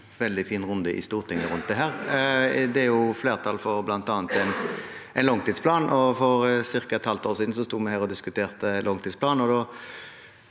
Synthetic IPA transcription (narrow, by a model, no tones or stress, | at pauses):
ʋɛld̪ɪfiːnʁʊnd̪əʔɪ̰st̪uːʁt̪ʰɪŋːəɾʉnt̪̚d̪ɛɦæːʁ | d̪ɛæɾjʊfleːʁt̪ʰɑlfɔɾblɑnt̪ɑːnt̪ɛɪnɛɪnlɔŋt̪ʰiːd̪spʰlɑːnʔɔfɔʁsɪʁkɑɛt̪hɑlt̪ʰoːʁsiːd̪n̩sɔst̪uːmɛhæːʁɔd̪ɪskʉt̪ʰeːʁt̪ənlɔŋt̪ʰiːd̪spʰlɑːnɔd̪oː